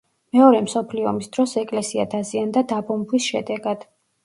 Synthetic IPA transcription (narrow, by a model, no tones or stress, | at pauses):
mɛɔɾɛmsɔpʰliɔ̰misd̪̥ɾɔsɛkʼlɛsiad̪aziand̪ad̪abɔmbwisʃɛd̪ɛɡad̪̥